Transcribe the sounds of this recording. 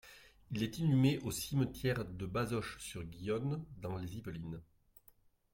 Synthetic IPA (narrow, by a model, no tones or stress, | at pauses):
ilɛt̪inymeʔosimət̪jɛʁd̪əbazɔʃsyʁɡʲijɔnd̪ɑ̃lezivəlin